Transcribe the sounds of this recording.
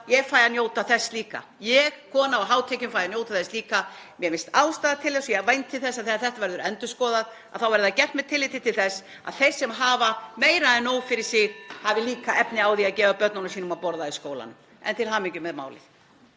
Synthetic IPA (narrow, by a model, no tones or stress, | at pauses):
jɛɣfaːjðanjoːwt̪aθɛsːliːka̰ | jɛɣkʰɔːnaɔɦaːwt̪ʰɛːcʏmfaːjðanjoːwt̪aθɛsliːkamjɛɾmɪnst̪aːwst̪aːðat̪ʰɪlθɛsɔjɛvajnt̪ʰːɪlθɛsːaðθɛθɛht̪avɛɾðʏɾɛnt̪ʏskɔːðað | aðθawvɛɾðɪacɛr̥t̪mɛt̪ʰɪlɪːt̪ɪt̪ʰɪlθɛs | a̰ðθɛsːɛmɦaːvameːjɾaɛnːoːwfɪɾɪɾ̥sɪɣhavɪliːkaʔɛpnɪaːwðiaðcɛːvapœɾt̪nɔnʏsiːnʏmaðpɔɾðaiskoːwla̰nʏm | ɛ̰nt̪ʰɪlɦaːmɪcʏmɛðma̰ːwlɪ̰θ